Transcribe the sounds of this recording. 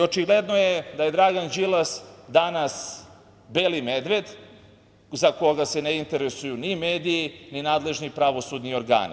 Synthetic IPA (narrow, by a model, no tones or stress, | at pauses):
ot͡ʃiɡled̪nojed̪aje̞d̪ɾaɡand͡ʒilˠasd̪anas | belimed̪ʋe̞d̪ | zako̞ɡase̞neint̪e̞ɾesujunimeːd̪iininaːd̪le̞ʒnipɾaʋo̞sud̪nio̞ɾɡa̰ːnḭ